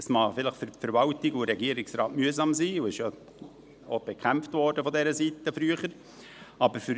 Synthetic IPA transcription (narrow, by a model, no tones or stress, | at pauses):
əsmɑːfɪləχffəɾvɑltɪɡuɾɛɡiəɾɪksrɑːtmyəzɑmsiːuɪʃja | ob̥ɛkʰæmftvɔːɾdəfɔdɛɾəsitəfɾyəχəɾ | ɑbəɾfyɾ